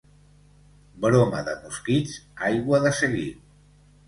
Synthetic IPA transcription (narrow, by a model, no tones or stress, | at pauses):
bɾomə̰ðəmuskizajɣwəðəsəɣi